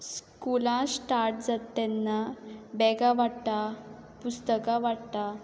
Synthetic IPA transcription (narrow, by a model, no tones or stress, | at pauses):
skulãsʈaɾʈ̚d͡zat̪ːɛnːabɛɡaʋaɽt̪a | pust̪əkaʋaɽt̪a